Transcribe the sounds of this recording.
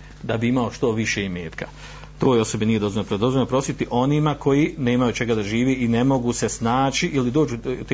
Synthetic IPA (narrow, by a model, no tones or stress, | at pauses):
d̪abiimao̞ʃt̪o̞ʋiʃe̞imḛːt̪kʰa | t̪o̞ːjo̞so̞benije̞d̪o̞zonopɾod̪ozvolnpɾo̞sit̪iʔo̞nimakʰo̞jine̞ːmajut͡ʃe̞ɡad̪aʒiːʋeːʔine̞mo̞ɡuse̞snaːt͡ʃiʔilid̪oːd͡ʒut̪e